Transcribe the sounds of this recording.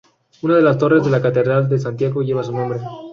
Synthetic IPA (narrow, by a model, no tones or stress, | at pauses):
unað̞e̞last̪o̞re̞zðe̞lakat̪eðɾald̪e̞s̬ant̪jaɣoʝe̞βas̬unõmbɾe